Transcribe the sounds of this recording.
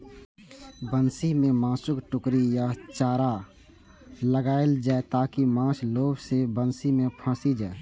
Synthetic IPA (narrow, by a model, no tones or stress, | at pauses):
bənsimẽmãːsʊkʈʊkɾijat͡ʃaːɾa | ləɡaːɪld͡ʒaːet̪aːkimãːʃloːbsebənsimẽpʰə̃ːsid͡ʒaːe